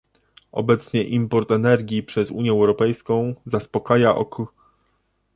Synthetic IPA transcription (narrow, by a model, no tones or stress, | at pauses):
ɔ̰bɛt̪sɲɛʔimpɔɾt̪ɛnɛɾɡʲjipʂɛzṵɲjɛɛwɾɔpɛjskɔ̃w̃zaspɔkajaʔɔ̰k